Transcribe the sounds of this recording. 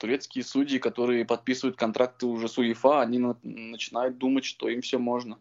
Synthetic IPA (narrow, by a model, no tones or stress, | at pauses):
t̪ʊɾʲe̞t̪skʲɪjəsudʲɪːkɐt̪o̞ɾɨjəpɐt̪̚pʲisɨvəjʊt̪̚kɐnt̪ɾʔak̚t̪ɨʊʐɛsʊɪfaɐnʲinnːət͡ɕɪnajʊt̪̚d̪umətʲʂt̪o̞imfsʲɵmo̞ʐnə